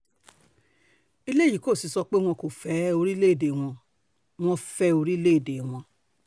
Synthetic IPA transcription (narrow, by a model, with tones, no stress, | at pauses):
i˧le˦˨ji˨ko˦˨si˨˧˦sɔ˧k͡pe˦w̃ɔ̃˧ko˨fɛ˨˦o˧ɾi˦le˦˨de˨w̃ɔ̃˧ | w̃ɔ̃˧fɛ˧˦o˧ɾi˦le˦˨de˨w̃ɔ̃˧